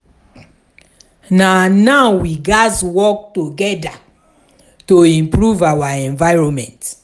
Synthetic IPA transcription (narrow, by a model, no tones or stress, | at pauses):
nanaʊwiɡaswɔk̚toɡɛda | toĩmpɹuvawaɛ̃ɱvaɪɹɔ̃mɛ̰̃nt